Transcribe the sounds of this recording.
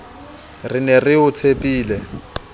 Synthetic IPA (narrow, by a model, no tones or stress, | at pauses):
rɪnɛrɪʊt͡sʰepʼiːlɛ